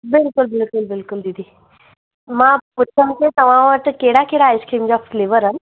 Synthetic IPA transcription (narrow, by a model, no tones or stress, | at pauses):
bɪlkʊlbɪlkʊlbɪlkʊld̪id̪i | mãpʊt͡ʃʰənket̪ɐʋ̤ãʋəɾʈ̪keːɽakeːɽaːɪskɾiːmd͡ʑafleːʋəɾɦən